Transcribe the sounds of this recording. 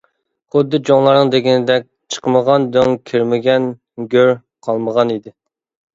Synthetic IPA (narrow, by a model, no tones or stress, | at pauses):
χʊd̪ːɨd͡ʒoŋlˠɑɾnɨŋd̪eɡʲinɪd̪ɛk̚ʲt͡ʃʰə̥qəməʁɑnd̪øŋkʲʰiɾmɪɡʲɛn | ɡʲøɾ | qʰɑlˠməʁɑnid̪ɪ